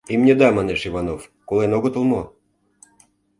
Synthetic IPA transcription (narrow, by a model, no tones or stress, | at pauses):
imnʲed̪ɑmɑneʃivɑnofkolenoɣə̆t̪ə̆lˠmo